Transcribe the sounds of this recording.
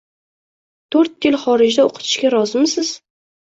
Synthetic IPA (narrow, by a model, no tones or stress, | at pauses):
t̪ʰɵɾt̪̚jɪlˠχɒɾɪd͡ʒd̪aoqʰɨ̥t̪ʰɪ̥ʃkʲaɾɒzɪmsɪz̥